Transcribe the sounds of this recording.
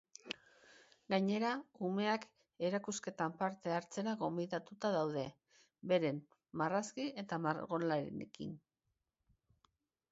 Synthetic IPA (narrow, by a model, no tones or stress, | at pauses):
ɡaɲe̞ɾaume̞ak | e̞ɾakuske̞t̪ampaɾt̪e̞aɾt͡se̞ɾaɣo̞mbiðat̪ut̪aðawðe̞ | be̞ɾe̞mː | araskie̞t̪amaɾɣo̞nlaɾḛnḛkḭn